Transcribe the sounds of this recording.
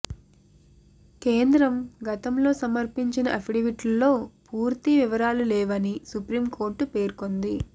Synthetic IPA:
ke̞ːnd̪ɾɐmɡɐt̪ɐmlo̞ːsɐmɐɾpiɲt͡ʃinɐʔɐpiɽiʋiʈlɐlːo̞ːpuːɾt̪iʋiʋɐɾaːlulɛːʋɐnisupɾiːmkʰo̞ːɾʈːupe̞ːɾkond̪i

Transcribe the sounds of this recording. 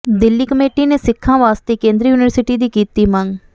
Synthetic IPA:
d̪ɪlːiːkəmeːʈiːneːsɪkʰːãːʋaːst̪eːkẽːnd̪ɾiːjuːnɪʋəɾsɪʈiːd̪iːkiːt̪iːməŋɡ

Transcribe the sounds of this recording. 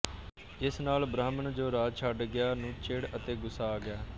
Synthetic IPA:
ɪsnaːlbɾaːmənd͡ʒoːɾaːt͡ʃʰəɖɡɪjaːnũːt͡ʃeːɽət̪eːɡʊsaːɡɪaː

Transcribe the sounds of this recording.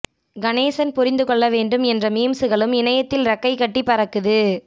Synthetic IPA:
ɡɐneːsɐnpʊɾɪnd̪ɯkɔɭːɐʋeːɳɖɯmɛndrɐmiːmsɯɣɐɭɯmɪnɐjɐt̪ːɪlɾɐkːɐɪkːɐʈːipːɐɾɐkːɯðɯ

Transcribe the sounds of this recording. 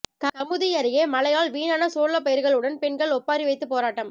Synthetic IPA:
k̪ɐkɐmɯðɪjɐɾɪjeːmɐlɐjaːlʋiːnaːnɐsoːɭːɐpːɐjɐɾɣɐɭɯɽɐnpɛɳɡɐɭɔpːaːɾiʋɐɪt̪ːɯpːoːɾaːʈːɐm

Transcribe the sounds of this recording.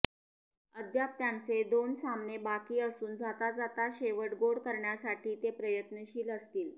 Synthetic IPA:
əd̪ʱjap̚t̪jant͡sed̪onsamnebakiːəsuːnd͡zat̪ad͡zat̪aɕeʋəʈɡoɽkəɾɳjasaʈʰiːt̪epɾəjət̪nəɕiːləst̪iːl

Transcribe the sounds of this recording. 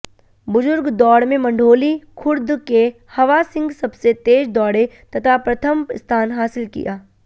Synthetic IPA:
bʊzʊɾɡd̪ɔːɽmẽmɐ̃ɳɖʱoːlikʰʊɾd̪ke | hɐʋasɪ̃ŋɡsɐbset̪eːd͡ʒd̪ɔːɽe | t̪ɐt̪ʰapɾɐt̪ʰəmst̪ʰaːnɦaːsɪlkḭjaː

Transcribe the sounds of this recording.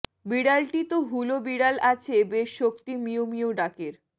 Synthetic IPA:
biɽalʈit̪oɦulobiɽalat͡ɕʰebeʃːokt̪imiomioɖakeɾ

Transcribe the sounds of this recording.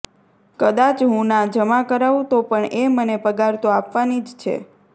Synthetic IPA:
kəd̪at͡ʃɦũnad͡ʒəmakəɾaʋũt̪opəɳemənepəɡaɾt̪oapʋanid͡ʒt͡ʃʰḛ

